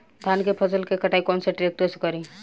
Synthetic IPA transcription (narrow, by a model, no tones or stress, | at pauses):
d̪ʱjaːnkepʰəsəlkekəʈaːikɔːnseʈɾeːk̚ʈeskəɾĩ